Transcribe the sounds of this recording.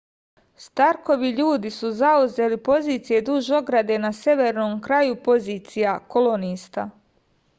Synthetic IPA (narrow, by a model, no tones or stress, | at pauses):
st̪aɾko̞ʋiʎuːd̪isuzauze̞lipo̞ziːt̪sije̞d̪uʒo̞ɡɾad̪e̞nasje̞ʋe̞ɾno̞ːmkɾajupo̞ziːt̪sijako̞lˠo̞niːst̪a